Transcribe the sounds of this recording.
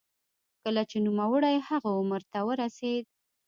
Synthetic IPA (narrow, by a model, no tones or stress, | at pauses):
kəlat͡ʃenumawəɽajhaɣaʊməɾt̪awəɾased̪̚